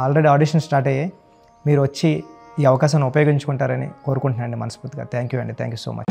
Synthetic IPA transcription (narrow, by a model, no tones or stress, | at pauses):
aːlɾeɖiaːɖiːʂɐnsʈaːɾʈeje | miːɾuʋɐt͡ʃːiiːɐʋɐkaːʃ̬ɐmnupɐjoːɡiɲt͡ʃu̥kuɳʈaːɾɐnḭko̞ːɾukuɳʈnaːɐɳɖimɐnɐspuɾt̪iɡa̰ːt̪ʰaːŋkjuːɐɳɖit̪ʰa̰ːŋkjuːso̰ːmɐ̰t͡ʃ